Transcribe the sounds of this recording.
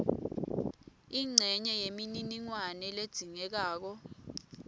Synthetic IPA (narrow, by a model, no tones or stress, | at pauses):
iŋ͡ǀʱɛɲɛjemininiŋwanɛled̥z̥ʱiŋɛk̬aːk̬ɔ